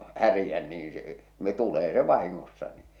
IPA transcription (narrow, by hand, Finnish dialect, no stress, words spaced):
hærĭjæn niːn̞ s̆ĕ tuleː se ʋɑhiŋːosːɑ ni